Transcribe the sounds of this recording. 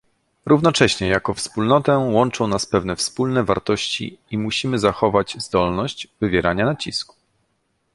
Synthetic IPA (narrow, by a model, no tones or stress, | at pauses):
ɾuvnɔt͡ʂɛɕɲɛjakɔfspulnɔt̪ɛwɔnt͡ʂɔ̃w̃naspɛvnɛfspulnɛvaɾt̪ɔɕt͡ɕḭimuɕimɘzaxɔvad͡ʑzd̪ɔlnɔɕt͡ɕvɘvʲjɛɾʔaɲanat͡ɕisku̥